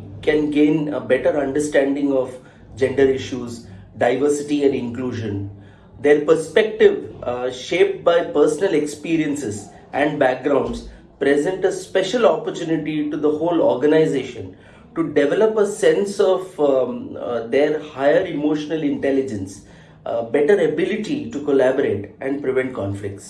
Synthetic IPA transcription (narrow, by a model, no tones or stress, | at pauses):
kɛ̃nɡẽːnbɛʈəɾɐ̃ɳɖəɾsʈæ̃ɳɖɪ̃ŋɔʋ | d͡ʒɛ̃ɳɖəɾɪʃuːz | ɖaɪʋəɾsɪʈiɛ̃ɳɖɪ̃nkluːʒə̃n | d̪eːɾpəɾspɛk̚ʈɪʋʃeːp̚ʈ̚baɪpəɾsənəlekspiːɾiə̃nsɪz | ʔɛ̃ɳɖbæk̚ɡɾãʊ̃ɳɖs | pɾɛzə̃ɳʈəspɛʃəlɔpəɾt͡ʃuːnɪʈiʈud̪əhoːlɔːɾɡənaɪzeːʃə̃n | ʈuɖɛʋɛləpəsɛ̃nsɔfʋ | d̪eɾhaɪəɾɪmoːʃənəlɪ̃ɳʈɛlɪd͡ʒə̃ns | bɛʈəɾəbɪlɪʈiʈukolæbəɾeːʈʔɛ̃ɳɖ̚pɾɪʋɛ̃ɳʈ̚kɔ̃nflɪk̚ʈs